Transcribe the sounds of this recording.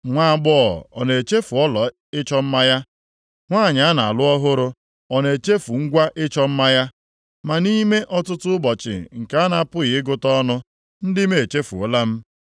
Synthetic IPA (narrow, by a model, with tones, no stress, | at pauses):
ŋʷa˦˨ɡ͡bɔ˦˨ɔ̰˨ne˨t͡ʃe˦fu˨ɔ˦lɔ˨ | ɪ˦t͡ʃɔ˦m̩˦ma˦ja˦ | ŋʷaː˦˨ɲa˨a˦na˨a˨lʊ˦ɔ˦ɦʊ˦ɾʊ˦ | ɔ˨ne˨t͡ʃe˦fu˨ŋ̩˦ɡʷa˦ʔɪ˦t͡ʃɔ˦m̩˦ma˦ja˦ | ma˨ni˦me˦ʔɔ˦tʊ˦tʊ˦ʊ˦bɔ˨t͡ʃɪ̰˨ŋ̩˨ka˨˦a˦na˨a˨pʊ˦ɣɪ˨ɪ˦ɡʊ˦tɔ˦nʊ˦ | n̩˦dɪ˦me˨e˨t͡ʃe˦fu˨o˨˦la˦m̩˦